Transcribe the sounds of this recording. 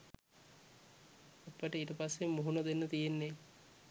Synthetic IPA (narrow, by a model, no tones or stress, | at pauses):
ɐpːəʈəiːʈəpasːemːuɦunɐd̪enːət̪ijenːe